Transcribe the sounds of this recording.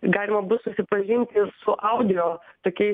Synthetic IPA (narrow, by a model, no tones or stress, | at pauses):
ɡɑːlʲɪmɐbʊt̪sʊsʲɪpɐʒʲɪnʲt̪ʲɪsʊʔɐʊd̪ʲɪjoːt̪oːkʲɛɪ